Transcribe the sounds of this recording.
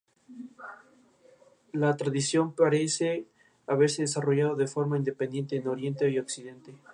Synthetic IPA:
lat̪ɾaðisjo̞mpaɾe̞se | aβe̞ɾse̞ðesaro̞ʝað̞oðe̞fo̞ɾmaind̪e̞pend̪je̞nt̪eːno̞ɾje̞nt̪eio̞ksiðe̞nt̪e̞

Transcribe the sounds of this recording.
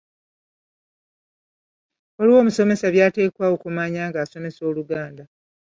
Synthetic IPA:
o̞liwo̞ːmuso̞me̞saβjaːte̞ːkwaːwo̞kumaːɲaːŋɡaːso̞me̞so̞ːluɡaːnda

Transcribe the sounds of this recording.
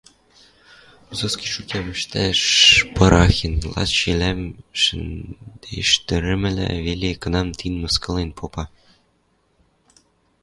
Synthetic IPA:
zɤ̆skʲiʃukʲæmʲɘ̆ʃt̪æʂpɤ̆ɾʔɑxʲinʲlˠɑ̰t̪ɕilʲæmʃɘ̆nd̪̥ḛʃt̪ʲɘ̆ɾʲɘ̆mʲɘ̆lʲḛvʲelʲekɤ̆nɑmt̪ʲʰinmɤ̆skɤ̆lˠenʲpʰopɑ

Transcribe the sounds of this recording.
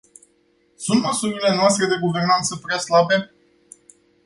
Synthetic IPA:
sunt̪məsuɾile̞noast̪ɾe̞d̪e̞ɡuve̞rnant̪səpɾeaslabe̞

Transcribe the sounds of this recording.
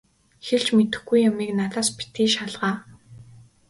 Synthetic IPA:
xeɮt͡ɕmet̪ɘ̆xɡujːamiːknaɮaːspi̥t̪iːʃaɮʁaː

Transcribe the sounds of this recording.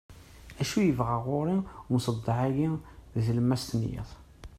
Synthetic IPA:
æʃujəvʁaʁʊɾˤiwnsˤəd̪ˤːɑʕæɡiðləmːæst̪ənjḭθˤ

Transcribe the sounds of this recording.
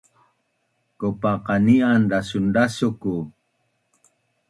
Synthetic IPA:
kopaqɑnianɖasunɖasoku

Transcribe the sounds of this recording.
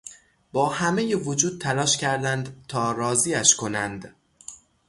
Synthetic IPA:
bɒːhæme̞jevod͡ʒuːd̪̥̚t̪ʰælɒːʃcʰæɾd̪ænd̪t̪ʰɒːɾɒːziːæʃkʰo̞nænd̪

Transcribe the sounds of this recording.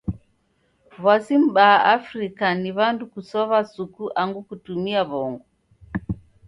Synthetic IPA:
βasim̩ɓaaʔafɾikaniβandukusɔβasukuʔaŋɡukutumiaβɔŋɡɔ

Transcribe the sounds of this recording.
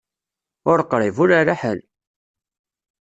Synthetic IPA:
ʊɾqːɾˤivʊɾaraħəl

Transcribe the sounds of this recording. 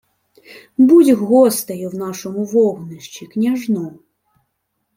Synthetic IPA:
budʲɦɔst̪ɐjʊwnɑʃɔmʊʋɔɦnɪʃt͡ʃiknʲɐʒnɔ

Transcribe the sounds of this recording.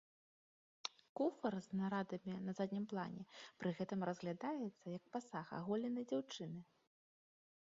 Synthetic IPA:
kufɐrznaɾad̪ɐmʲinɐzad̪ʲnʲimplˠanʲɛpɾɨɣɛt̪ɨmrɐzɣlʲad̪ajɛt̪sːɐjɐk̚pasaxa̰ɣɔlʲɛnɐjd͡zʲawt͡ʂɨnɨ

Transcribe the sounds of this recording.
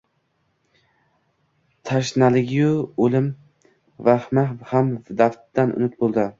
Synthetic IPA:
t̪ʰaʃnalɪɡʲɪjuolɪm | vahmahamd̪aft̪d̪anʊ̰nɪt̪̚bolˠd̪ɪ

